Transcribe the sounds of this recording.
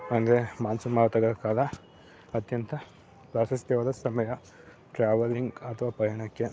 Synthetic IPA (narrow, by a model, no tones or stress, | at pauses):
ɐŋɡ̪ɾemaːnsumaːɐt̪ɐɡɐɐkaːlɐ | ɐt̪jɐnt̪ʰɐ | pɾaːʃɐst̪ɛʋɐd̪ɐsɐmɐjɐ | ʈɾaːʋɐliŋɡɐt̪ʰɐʋaːpɐjɐɳɐkːe